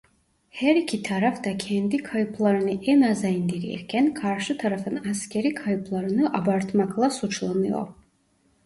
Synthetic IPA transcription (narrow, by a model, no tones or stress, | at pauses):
hæɾikʲʰit̪ʰaɾafd̪akʰɛnd̪ikʰajpʰlˠaɾɯnɯʔɛnazaind̪iɾḭɛ̰ɾkʲʰænkʰaɾʃɯt̪ʰaɾafɯnaskʲʰeɾikʰajpʰlˠaɾɯnɯʔabaɾt̪ʰmakʰlˠasut͡ʃʰlˠanɯjo̰ɾ